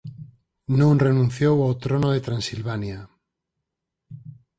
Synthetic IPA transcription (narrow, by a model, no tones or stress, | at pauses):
nõŋrenũn̟θjowawt̪ɾonoðet̪ɾansilβanja